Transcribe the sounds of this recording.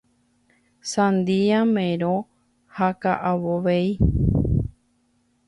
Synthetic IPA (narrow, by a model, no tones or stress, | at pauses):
sãnd̪iamẽɾo | hakaʔawoʋeji